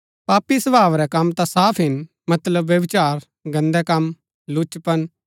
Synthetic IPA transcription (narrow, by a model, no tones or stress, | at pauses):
paːpisɐbʱaːʋɾɛkɐmt̪ãsaːpʰɦɪn | mɐt̪ləbːjɐbɪt͡ʃaːɾ | ɡɐ̃nd̪ɛkɐm | lʊt͡ʃpən